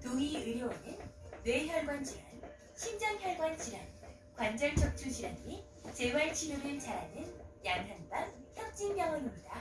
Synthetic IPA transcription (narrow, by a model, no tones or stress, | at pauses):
toiɯɾjoonɯnwe̞çjʌɭɡwand͡ʑiɾan | ɕʰind͡ʑʌŋçjʌɭɡwant͡ɕiɾan | kwand͡ʑaŋt͡ɕ͈ʰʌk̚t͡ɕʰud͡ʑiɾani | t͡ɕe̞waɭt͡ɕʰinuɾɯɭt͡ɕaɾa̰nɯnjaŋɦanbançʰjʌd͡ʑ͈injʌŋʌnimɲida